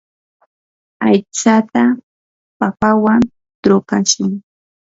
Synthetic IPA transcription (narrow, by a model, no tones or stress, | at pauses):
ajt͡sat̪a | papawan | t̪ɾʊkaʃʊŋ